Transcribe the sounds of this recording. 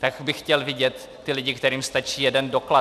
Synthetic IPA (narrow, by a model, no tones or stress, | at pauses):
t̪akbɪxcɛlvɪɟɛt̪ːɪlɪɟɪkt̪ɛɾiːmst̪at͡ʃiːjɛdɛndokla